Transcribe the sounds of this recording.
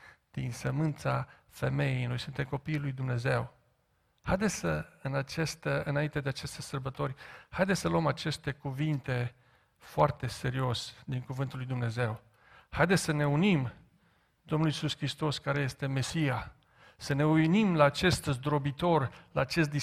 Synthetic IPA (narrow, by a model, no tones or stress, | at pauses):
d̪̥insəmɨnt̪sa | fe̞me̞jejno̞jsunt̪e̞mko̞piːlujd̪umne̞ze̞w | hajd̪et̪səɨnat͡ʃest̪əɨnaint̪e̞d̪eat͡ʃe̞st̪esərbət̪o̞ɾʲhajd̪essəluəmat͡ʃe̞st̪e̞kuvint̪e̞ | foart̪e̞se̞ɾio̞sd̪iŋkuvɨnt̪ulːujd̪umne̞ze̞w | hajd̪esʲsəne̞unim | d̪omnulisuskɾist̪o̞skaɾeje̞st̪e̞me̞sija | səne̞ujnimlaːt͡ʃe̞st̪zd̪ɾo̞bit̪o̞rlaːt͡ʃe̞st̪̚d̪i